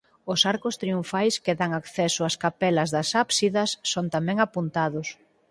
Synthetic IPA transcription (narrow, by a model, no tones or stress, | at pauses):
ʊsaɾkʊst̪ɾiuɱfajskeðaŋakθɛsoaskapɛlɐzðɐsapsiðɐsːont̪amɛ̃ŋapunt̪aðʊs